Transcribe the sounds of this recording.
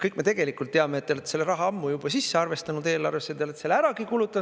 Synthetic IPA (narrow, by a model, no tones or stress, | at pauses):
kɯjkːme̞t̪e̞ɡ̥e̞likˑult̪ːeɑmet̪ːeolet̪selːeɾɑɦɑɑmːujub̥ɑsisːe̞ɑrve̞st̪ɑnud̪e̞ːlɑ̰rvesːet̪eolet̪ːselːæɾɑɡikulut̪ːˑɑ